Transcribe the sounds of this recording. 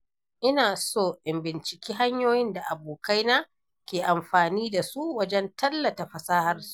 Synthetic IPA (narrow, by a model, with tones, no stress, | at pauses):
ʔɪ˦naː˨soː˦ʔɪ˨mbɪ˨nt͡ʃɪ̥˨kʲiː˦ɦa˦ɲjoː˦jɪ˦nda˨ʔa˨boː˨ka˦jna˦ | kʲeː˨ʔa˨mɸaː˨niː˦da˨su˦ʔwɐ˦d͡ʒɛ˦ntɐ˦lːɐ˨ta˨ɸɐ˨saː˦ha˦rsu̥˦ʔ